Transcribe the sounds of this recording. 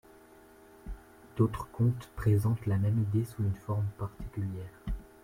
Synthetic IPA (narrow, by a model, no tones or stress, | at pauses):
d̪̥ot̪χəkɔ̃t̪pχezɑ̃t̪lamɛmid̪esuzynfɔʁmpaʁt̪i̥kʲyljɛːʁ